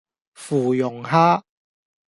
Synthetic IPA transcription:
fuː˨˩jʊ˨˩ŋhaː˦˥

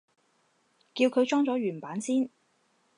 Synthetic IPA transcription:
kiː˧wkʰɵ˨˧ɥt͡ʃɔː˥ŋt͡sɔː˨˥ɥyː˨˩npaː˨˥nsiː˥n

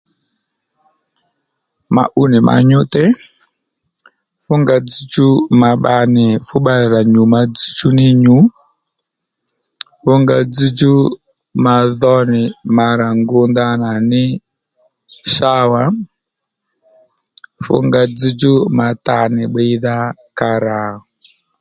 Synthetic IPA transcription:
ma̰˨ʔu˦ni˨mʔa̰˨ɲu˦tɛ˦ | fu˦ŋɡa˨d͡zi˦d͡ʒu˦ma˨ɓa˨ni˨fu˦ɓa˦i˨ɾa˨ɲu˨ma˦d͡zi˦d͡ʒu˦ni˦ɲu˦ | fu˦ŋɡa˨d͡zi˦d͡ʒu˦ | ma˨ðɔ˦ni˨ma˨ɾa˨ŋɡu˦nda˦na˨ni˦ | ʃa˦wa˦ | fṵ˦ŋɡa˨d͡zi˦d͡ʒu˦ma˨ta˨ni˨ɓɛ˦i˦ða˦ka˨ɾa˨ɔ

